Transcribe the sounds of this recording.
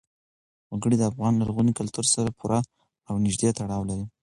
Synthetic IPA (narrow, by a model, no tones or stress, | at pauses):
woɡəɽid̪əafɣɑnlaɾɣunikalt̪uɾsaɾapʰuɾʔa | awnɪʒd̪et̪aɽɑwlaɾi